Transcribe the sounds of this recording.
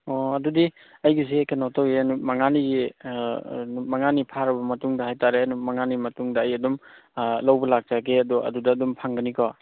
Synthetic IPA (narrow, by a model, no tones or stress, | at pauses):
ɔɐdudi | ɐjɡizekʰanatʰawenumaŋaniɡi | nmaŋanipʰaɾɐbɐmɐtuŋdɐhajtaɾenumaŋanimɐtuŋdɐːjɐdumlawbɐlak̚d͡ʒaɡeɐdɔʔɐ̰dudɐːdumpʰaŋɡɐnikʰɔ